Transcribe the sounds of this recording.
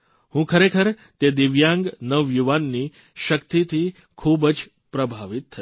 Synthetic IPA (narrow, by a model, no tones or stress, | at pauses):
hũkʰəɾekʰəɾ | t̪ed̪ɪʋjãŋɡnəʋjuʋanːi | ʃəkt̪it̪ʰi | kʰubd͡ʒ | pɾəbʱaʋit̪ʰːə